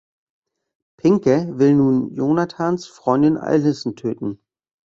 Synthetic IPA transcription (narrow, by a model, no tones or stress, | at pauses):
pʰɪŋkəvɪlnuːnjoːnatʰaːnsfʁ̥ɔʏndɪnʔa̰ɪlɦɪsn̩tʰøːtn̩